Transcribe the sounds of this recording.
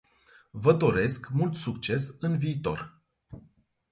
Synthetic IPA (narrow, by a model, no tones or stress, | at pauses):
vəd̪o̞ɾe̞skmult̪sukt͡ʃe̞sɨnviːt̪o̞̰r